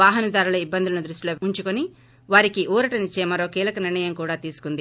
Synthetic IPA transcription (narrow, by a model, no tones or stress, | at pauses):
aːɦɐnɐd̪aːɾulɐibːɐnd̪ulɐnɐd̪ɾuʂʈiloːuɲt͡ʃukoni | ʋaːɾikiʔuːɾɐʈɐnit͡ʃːeːmɐɾo̞ːkiːlɐkɐniɾɳɐjɐmkuːɽaːt̪iːsu̥kund̪i